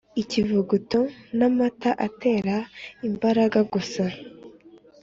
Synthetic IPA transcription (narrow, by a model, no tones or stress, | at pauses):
icivuɡutonamataʔate̞ːɾaimbaɾaɡaɡusa